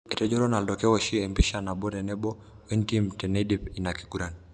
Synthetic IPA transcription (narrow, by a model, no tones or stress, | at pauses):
ɛtɛd͡ʒɔɾɔnaldɔkɛwɔʃiɛmbiʃanabɔɾɛnɛbɔ | wintimtɛnɛdipinakiɡuɾan